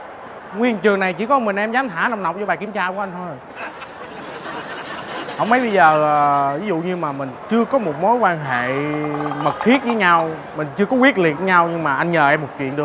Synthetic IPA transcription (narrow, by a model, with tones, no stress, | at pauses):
ŋwi˧ənt͡ɕɨ˨˩əŋna˨˩jt͡ɕi˧˩˦kɔ˨˦mï˨˩ŋʔɛ˧mzaː˨˦mt̪ʰaː˧˩˦na˧˩wŋ͡mna˨˩wk͡p̚zɔ˧˦ɓaː˨˩ki˧˩əmt͡ɕaː˧˨˧ʔa˧ŋ̟t̪ʰo˧j | hə̰˧˨wŋ͡mmə˨˦jɓə˧jzəː˨˩aː˨˩vi˨˦zṵ˧˨ɲɨ˧maː˨˩mï˨˩ŋ̟t͡ɕɨ˧əkɔ˨˦mo˨˩t̚mo˨˦jkwaː˧nɦḛ˧˨mə˨˩t̚xʰi˦˥ət̚vəː˨˦jɲa˧w | mï˨˩ŋ̟t͡ɕɨ˧əkɔ˨˦wi˦˥ət̚lḭ˨˩ət̚ə˨˦ɲa˧wɲɨ˧ŋmaː˨˩ʔa˧jnɲəː˨˩ʔɛ˧mːo˨˩t̚t͡ɕḭ˧˨ənɗɨ˨˩ə